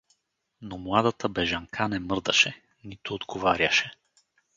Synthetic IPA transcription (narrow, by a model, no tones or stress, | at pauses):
nomlˠad̪at̪əbɛʒɐŋkʰanɛmɤɾd̪əʃɛ | nit̪ʊːd̪ɡovaɾʲjɐʃɛ